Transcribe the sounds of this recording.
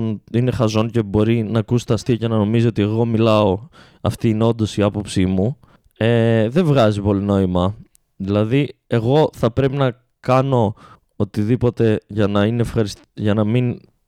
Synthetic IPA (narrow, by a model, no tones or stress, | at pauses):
nine̞xɐzo̞nce̞bo̞ɾinɐːkusi̥t̪ɐst̪iɐcenɐno̞mizoo̞t̪ie̞ɣo̞milɐo̞ | ɐft̪iːneo̞nd̪o̞siɐpo̞psimu | eðe̞vɣɐzipo̞lino̞imɐ | ðilɐðie̞ɣo̞θɐpɾe̞pinɐ | kɐno̞ | ot̪iðipo̞t̪e̞ʝɐnɐineefxɐɾist̪ʝɐnɐmin